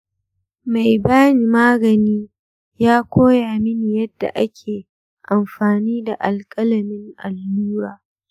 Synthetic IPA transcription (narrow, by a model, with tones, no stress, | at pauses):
ma˨jbaː˦ni˨maː˦ɡɐ˨niː˦ | jaː˦kʷʰoː˦jaː˨mɪ˦ni˨jɐ˦dːa̰˨ʔa˦kʲʰeː˨ | ʔa˨mɸaː˨niː˦da˨ʔa˨lkʼɐ˦lɐ˨mɪ˦ŋʔa˨lːuː˦ɾaː˨